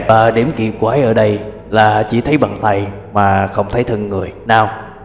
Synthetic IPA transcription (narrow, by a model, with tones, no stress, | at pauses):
əː˨˩ɗe˨˧˩mki˨˧˩əp̚kwaː˧˦jʔəː˧˩ɗə˧j | laː˨˩t͡ɕḭ˧˩t̪ʰə˨˦jɓa̰˨˩ŋt̪a˧˩j | maː˨˩xə˧wŋ͡mt̪ʰə˨˦jt̪ʰɨ˨˩ŋŋɨ˨˩əjnaː˨˧˩w